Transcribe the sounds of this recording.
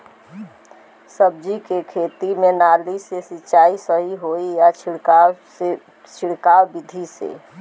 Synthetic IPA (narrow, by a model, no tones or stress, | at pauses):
səb̚d͡ʒikekʰet̪imenalisesit͡ʃaisəɦiɦoijat͡ʃʰ | t͡ʃʰiɽkawbid̪ʱisḛ